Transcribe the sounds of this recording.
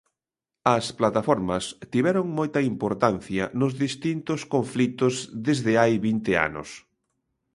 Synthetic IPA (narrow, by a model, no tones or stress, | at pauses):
ɐsplat̪afɔɾmɐst̪iβɛɾʊŋmojt̪ɐimpoɾt̪anθjɐnʊzðist̪int̪ʊskoɱflit̪ʊzðezðɪajβint̪ɪa̰nʊ̰s